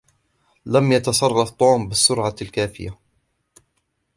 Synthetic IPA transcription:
lamjat̪ɑsˤɑrˤːɑft̪ˤːuːmbɪsːʊɾʕalkaːfɪ̰ja

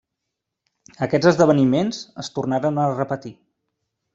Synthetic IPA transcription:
əkɛd͡zəzðəβ̞ənimenz̥əst̪urnaɾənərəpət̪i

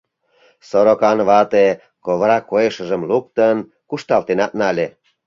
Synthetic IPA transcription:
soɾokɑnβɑt̪e | koβɾɑkojeʃəʒə̆mluk̚t̪ən | kuʃt̪ɑlt̪enɑt̪nɑlʲe

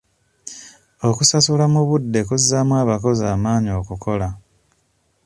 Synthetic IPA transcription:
o̞kusasulamuβudːe̞kuzːamwaːβako̞zaːmaːɲio̞ːkukʰo̞la

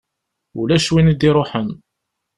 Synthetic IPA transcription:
ulæʃwinid̪iɾˤoħən

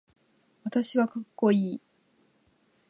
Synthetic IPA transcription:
βat̪aɕiβakakːo̞iː

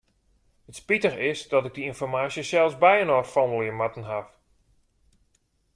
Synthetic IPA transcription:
hətspitəxɪsdɔtɪɡ̚diinfɔrmaːsjəsɛlˠsbɛjənɔrfɔnəlˠiəmatən̩ɦaf

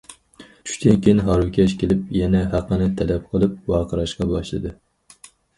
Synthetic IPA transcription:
t͡ʃʰy̥ʃʲt̪ʰɪnkʲejinɦɑɾwɪkʲʰɛʃkʲʰelɪp̚jɛnɛɦæqːənɪt̪ʰɛlɛp̚qʰəlˠɨp̚wɑːqʰəɾɑʃqɑbɑʃlˠɨ̰d̪ɨ

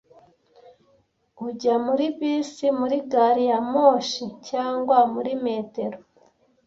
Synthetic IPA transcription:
uɟamuɾiβiːsimuɾiɡaɾijamoʃicaːŋɡwamuɾime̞ːte̞ɾo

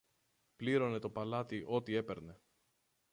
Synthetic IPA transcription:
pliɾo̞ne̞t̪o̞pɐlɐt̪iʔo̞t̪ie̞pe̞ɾne̞

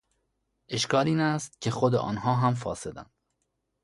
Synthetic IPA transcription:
ʔe̞ʃkɒːliːnæst̪̚cʰexod̪ḛʔɒ̰ːnhɒːɦæmfɒ̰ːse̞d̪æ̰nd̪̥

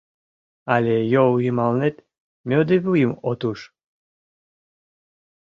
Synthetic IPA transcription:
alʲejoɣimɑlnet̪ | mʲød̪eβujimot̪uʃ

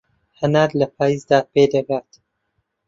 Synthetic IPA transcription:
hɐnaːɾlɐpʰaːjiːzd̪aːped̪ɐɡaːt̪

